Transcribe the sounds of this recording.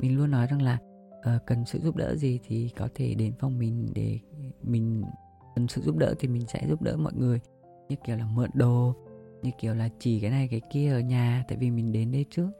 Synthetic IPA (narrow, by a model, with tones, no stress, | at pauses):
mi˨˩ŋ̟lu˧ənːɔ˨˦jza˨˧˩ŋlaː˨˩ | ʔəː˨˩kə˨˩nsɨ̰˧˨ʔzu˦˥p̚ɗə̰ː˧˥zi˨˩t̪ʰi˨˩kɔ˨˦t̪ʰe˧˩ɗe˨˦nfa˧wŋ͡mmï˨˩ŋ̟ɗe˧˩mï˨˩ŋ̟ | kə˨˩nsɨ̰˧˨zu˦˥p̚ɗə̰ː˧˥t̪ʰi˨˩mi˨˩ŋ̟sɛ̰˧˥zu˦˥p̚ɗə̰ː˧˥mɔ̰˧˨jŋɨ˨˩əj | ɲɨ˦˧˥kːi˧˩əwlaː˨˩mə̰˧˨nɗo˨˩ɲɨ˧ki˧˩əwlaː˨˩t͡ɕi˧˩kaː˨˦na˨˩jkaː˨˦jki˧əʔəː˧˩ɲaː˨˩t̪a̰ː˧˨jvi˨˩mï˨˩ŋ̟ɗe˨˦nɗə˧jt͡ɕɨ˦˥ək̚